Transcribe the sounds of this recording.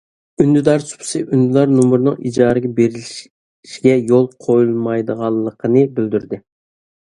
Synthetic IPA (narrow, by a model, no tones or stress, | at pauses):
ynd̪yd̪ɑɾsu̥pʰsɨʔynd̪ɪlˠɑɾnumʊɾɨnɨŋḭd͡ʒɑːɾɨɡʲɛbeɾilʃ | ʃiɡʲɛjolˠqʰojulˠmɑjd̪əʁɑlˠːəqʰənɨbɪld̪yɾd̪ɪ